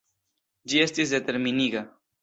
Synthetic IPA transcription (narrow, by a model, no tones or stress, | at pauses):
d͡ʒiest̪isd̪e̞t̪e̞ɾminiɡa